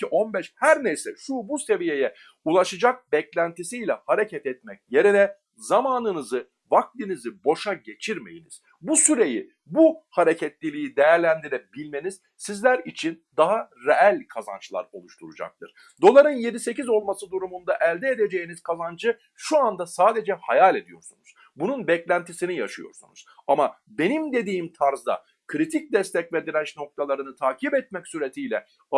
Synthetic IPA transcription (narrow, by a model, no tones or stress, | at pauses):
iʔo̞nbɛʃhæɾnejsɛʃubuse̞vije̞jɛ | ulˠaʃɯd͡ʒak̚bɛclʲænt̪isijlʲɛhaɾe̞cʰɛt̪ɛt̪̚mɛc̚je̞ɾinɛ | zamaːnɯnɯzɯ | vak̚t̪ʲinizɯbo̞ʃaɟe̞t͡ʃʰiɾme̞jiniz̥ | busyɾe̞ji | buhaɾe̞cʰɛt̪lʲilʲijid̪e̞jæɾlʲænd̪iɾɛbilʲme̞niz̥ | sizlʲæɾit͡ʃʰind̪aɦaɾeælʲkʰaza̰nt͡ʃlˠa̰ɾo̞̰lˠuʃt̪ʰuɾud͡ʒa̰k̚t̪ʰɯɾ̥ | d̪o̞lˠaɾɯnje̞d̪ise̞cizo̞lˠmasɯd̪uɾumund̪aʔɛlʲd̪eed̪ed͡ʒe̞jiniz̥kʰazand͡ʒɯ | ʃuand̪asaːd̪e̞d͡ʒɛhajalʲe̞d̪ijo̞̰ɾsṵnuz̥ | bununbɛclʲænt̪ʰisinijaʃɯ̰jo̞̰ɾsṵnṵz̥ama | be̞nimd̪e̞d̪iːmt̪ʰaɾzd̪a̰ | kʰɾit̪ʰic̚d̪ɛst̪ʰɛcved̪iɾæt͡ʃno̞k̚t̪ʰalˠaɾɯnɯt̪ʰaːcʰibɛt̪̚mɛcsyɾe̞t̪ʰijlʲɛ̰